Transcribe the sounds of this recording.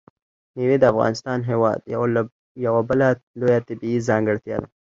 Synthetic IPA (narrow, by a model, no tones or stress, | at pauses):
newed̪əafɣɑ̰nɪst̪ɑnɦewɑ̰ːd̪ | jawabəlalojat̪abiizɑŋɡəɽt̪jɑ̰d̪a̰